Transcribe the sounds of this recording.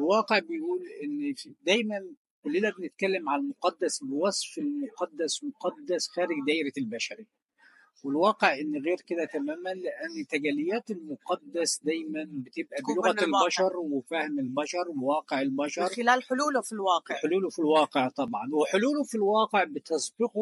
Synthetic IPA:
ɪlwɑːqeʕbɪjʔuːlʔɪnːfid̪æjmæn | kʊlːinæbɪnɪt̪̚kælːɪmʕalmʊqɑd̪ːæsbɪwɑsˤfɪlmʊqɑd̪ːæsmʊqɑd̪ːæsxæːɾɪɡd̪æːʔɾɪlbæʃæɾi | wɪlwɑːqeʕʔɪnːɣeːɾkɪd̪æt̪æmæːmænlɪʔænːt̪æɡælɪjːæːt̪ɪlmʊqɑd̪ːæsd̪æjmænbɪt̪ɪbʔæbɪlʊɣælbæʃɑɾˤwɪfæhmɪlbæʃɑɾˤwɪwɑːqeʕɪlbɑʃɑɾˤlaːlħʊluːlfilwɑːqeʕħoluːlʊfilwɑːqeʕt̪ˤɑbʕɑnwɪħoluːlʊfilwɑːqeʕbɪt̪ɑsˤbɪqʊ

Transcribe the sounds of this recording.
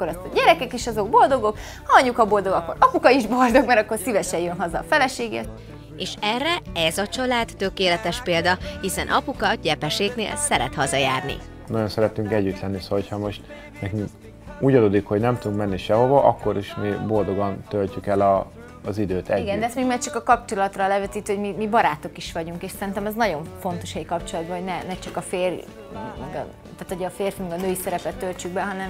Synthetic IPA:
kːoɾɒst̪ɒɟɛɾɛkɛkeːʃɒzo̞ɡ̚bo̞ld̪o̞ɡo̞k | hɒɒɲːukɒbo̞ld̪o̞ɡɒkːo̞ɾɒpukɒiʒbo̞ld̪o̞ɡmɛɾɒkːo̞rsivɛʃɛjønɦɒzɒfɛlɛʃeːɡḛːt̪ | eːʃɛrːɛɛzɒt͡ʃɒlaːt̪ːøkeːlɛt̪ɛʃpeːld̪ɒhisɛnʔɒpukɒɟɛpɛʃeːknḛːlsɛɾɛ̰t̪hɒzɒjaːrnḭ | nɒjo̞nsɛɾɛt̪yŋkɛɟːyt̪lɛnːisolocʰhɒmo̞ʃt̪ | nɛkyŋk | uːɟɒd̪oːd̪ikho̞ɟnɛmt̪ud̪uŋkmɛnːiʃɛɦo̞vɒʔɒkːo̞ɾiʃmiːbold̪o̞ɡɒnt̪ølcykɛlɒː | zid̪øːt̪ɛiɡɛnd̪ɛst̪meːɡmaːt͡ʃɒkɒkɒpt͡ʃo̞lɒt̪rɒlɛvɛt̪iːt̪yhomimibɒɾaːt̪okiʃʋɒɟuŋkeːʃsɛɾint̪ɛmɛznɒɟo̞ɱfo̞nt̪o̞ʃɛjkɒpt͡ʃo̞lɒd̪bɒɦoɟnɛnɛt͡ʃɒkɒfeːr | mɛɡ | t̪aːt̪oɟɒːfeːrfimɛɡɒnøːjisɛɾɛpɛt̪ːølt͡ʃyɡ̚bɛɦɒnɛm

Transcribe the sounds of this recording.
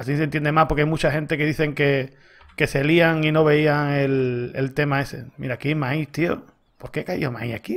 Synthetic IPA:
asis̬ent̪jend̪emapoɾkeajmut͡ʃahe̞nt̪e̞ke̞ðiθe̞ŋke̞ | ke̞seliaŋino̞β̞e̞iaŋe̞lḛlt̪e̞mae̞se̞̰mḭɾakimait̪io̰ | po̞ɾkekaj̰oma̰ḭaki

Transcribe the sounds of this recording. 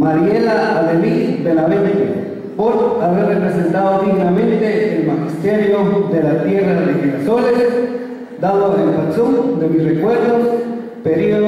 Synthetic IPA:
maɾielaalelid̪elaβenke | poɾaβerepɾesent̪aðod̪iɣnamẽnt̪eːlmaxist̪eɾjod̪elat̪jeraðexenasoles | d̪aðoðelpat͡sumd̪emisrekweɾðos | peɾio

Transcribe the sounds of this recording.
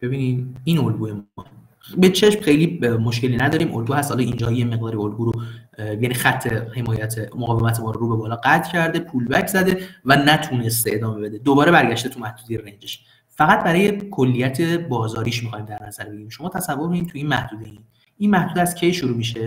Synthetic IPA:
b̥e̞biːnid̪inolɡuːem | bet͡ʃʰe̞ʃmxejlimoʃkʲe̞linæd̪ɒːɾiːmʔo̰lɡuːhæst̪hɒːlɒind͡ʒɒːjeme̞ɡ̚d̪ɒːɾiolɡuːɾojænixæt̪ʰːehe̞mɒːjæt̪ʰemoɣɒːvemæt̪ʰemɒːɾoɾuːbebɒːlɒːɡæt̪ʰcʰæɾd̪e̞pʰuːlbæcʰzæd̪e̞vænæt̪ʰunest̪eed̪ɒːme̞be̞d̪ed̪obɒːɾe̞bæɾɟæʃt̪e̞t̪ʰumæhd̪uːd̪ejerend͡ʒeʃ | fæɣæt̪̚bæɾɒːje̞kʰo̞lːijæt̪ʰe̞bɒːzɒːɾiːʃmixɒjmd̪æɾnæzæɾbeɟiɾimʃo̞mɒːt̪ʰæsævːoɾmiiːmt̪ʰuiːnmæhd̪uːd̪ein | inmæhd̪ud̪æscʰe̞jʃoɾuːmiʃe

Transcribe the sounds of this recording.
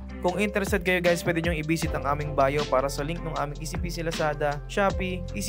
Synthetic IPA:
kʊŋɪnt̪ɛɾɛsad̪̚kɐjoɡajspwɛːd̪ɪɲoŋʔɪbiːsɪt̪ɐŋʔaːmɪŋbaːjopaːɾɐsɐlɪŋk̚nʊŋʔaːmɪŋʔɪsipisɪlɐsaːd̪ɐʃaːpiʔɪ

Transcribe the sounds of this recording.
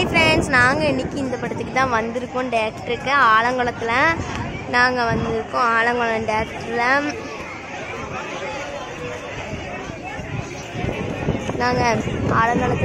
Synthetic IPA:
pɾeːnsnaːŋɡɐɛɳːɪkːɯɪnd̪ɐpːɐʈːɐt̪ːɯkːɯt̪ːãːʋɐnd̪ɪɾɯkːõɖɐjɐkʈɾɯkːɐaːɭɐŋɡɐɭɐt̪ːɪlɐnaːŋɡɐʋɐnd̪ɪɾɯkːõaːɭɐŋɡɐɭɐ̃ɖɐjɐkʈɾlɐ | naːŋɡɐaːɭɐŋɡɐɭɐt̪ː

